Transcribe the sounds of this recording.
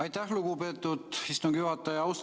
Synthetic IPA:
ɑjt̪ːæhluɡ̥upe̞ːt̪ːˑud̪̥hist̪oŋɡ̥juhɑt̪ːˑɑjɑɑwst̪

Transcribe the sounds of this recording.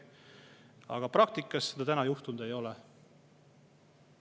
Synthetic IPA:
ɑ̰ɡ̥ɑprɑk̚t̪ikːˑɑsːed̪̥ɑt̪ænɑjuht̪und̪̥e̞jo̞lɛ

